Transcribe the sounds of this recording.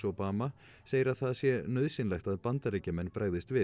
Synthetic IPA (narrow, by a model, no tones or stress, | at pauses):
ɔpaːma | seːjɪɾaðθaðsjɛnœðsɪnlɛxt̪aðpant̪aɾicamɛnːpɾʔaɣðɪst̪vɪ